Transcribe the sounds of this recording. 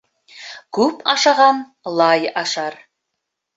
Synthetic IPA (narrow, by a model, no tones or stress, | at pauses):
kʉpɑʃɑʁɑn | lˠɑjɑʃɑɾ